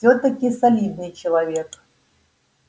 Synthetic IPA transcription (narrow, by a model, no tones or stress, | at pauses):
ɔt̪ɐkʲisalʲid̪̚nɨjt͡ʃɛlˠavʲɛk